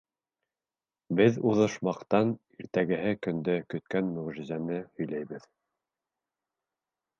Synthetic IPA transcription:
bɘðuðɤ̆ʃmɑqt̪ɑn | iɾt̪æɡɘ̆ɦɘkɵ̆nd̪ɵkɵ̆t̪̚kænmɵ̆ʁʒɘ̆zænɘhɵ̆jlæjβɘð

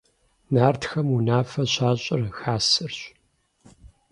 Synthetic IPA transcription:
naːrtʰxɐmunaːfɐɕaːɕʼɪrxaːsɨrɕ

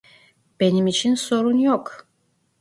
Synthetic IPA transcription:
b̥e̞nimit͡ʃʰinso̞ɾunjok

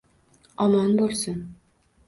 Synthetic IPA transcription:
ɒmɒnbolˠsʊn

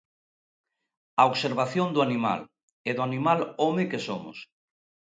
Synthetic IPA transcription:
aoɣseɾβ̞aθjond̪ʊanima̰l | eðʊanimalomekesomʊ̰s

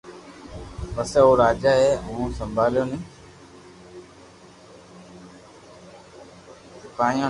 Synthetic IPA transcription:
pəseːoːɾaːd͡ʒaːɦeːɦũːsəmbʱaːljoːnĩː | səkaːĩjõː

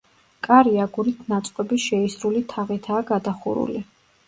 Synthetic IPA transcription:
kʼaɾiaɡuɾit̪ʰnat̪sʼqʼɛbiʃɛisɾulit̪ʰaʁit̪ʰaːɡad̪aχṵɾṵli

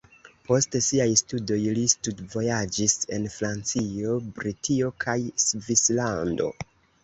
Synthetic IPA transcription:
pʰo̞stesiajstudo̞jlistudvo̞jad͡ʒise̞nfɾant͡sio̞bɾitʰio̞kʰajsvislando̞̰

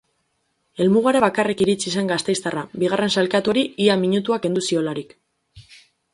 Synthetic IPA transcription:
e̞lmuɣaɾeβakarekiɾit͡sis̬e̞ŋɡast̪e̞jst̪arabiɣ̞are̞nsalkat̪uɾiiamiɲut̪uake̞nd̪usio̞laɾik

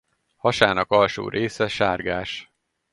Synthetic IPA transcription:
hɒʃaːnɒkɒlʃo̰ːɾʔeːsɛʃaːrɡaːʃ

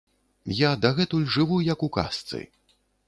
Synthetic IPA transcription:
jad̪ɐɣɛt̪ulʲʐɨvujɐkuka̰st̪sɨ̰

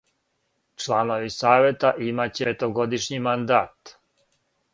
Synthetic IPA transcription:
t͡ʃlaːnoʋisaːʋjet̪aʔimat͡ɕet̪oɡod̪iʃɲimand̪aːt̪

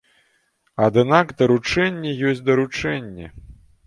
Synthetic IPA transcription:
ad̪ɨnaɡd̪ɐɾut͡ʂɛnʲːɛjɔsʲd̪ɐɾut͡ʂɛnʲːɛ̰

